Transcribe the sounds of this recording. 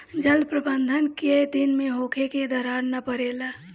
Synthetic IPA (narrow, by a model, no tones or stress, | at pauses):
d͡ʒəlpɾəbənd̪ʱənked̪inmeɦokʰeked̪əɾaɾnəpəɾela